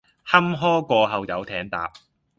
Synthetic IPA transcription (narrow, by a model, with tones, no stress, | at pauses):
hɐ˥mɦɔː˥kʷɔː˧ɦɐ˨wjɐ˨˧wt̪ʰɛː˨˥ŋt̪a̰ː˨p̚